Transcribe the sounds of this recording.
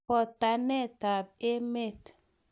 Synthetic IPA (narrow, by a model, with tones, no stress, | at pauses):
ɔ˨ta˨nɛ˦˨ta˨b̚e˦me˦˨t